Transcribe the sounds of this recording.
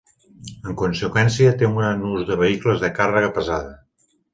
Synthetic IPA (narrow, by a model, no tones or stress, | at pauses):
əŋkunsəkwɛnsiət̪euŋɡɾanuzðəβəikləzðəkarəɣəpəzaðə